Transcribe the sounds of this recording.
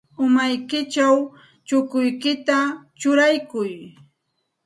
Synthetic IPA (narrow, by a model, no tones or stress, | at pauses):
ʊmajkɪt͡ʃaw | t͡ʃʊkʊjkɪt̪at͡ʃʊɾajkʊj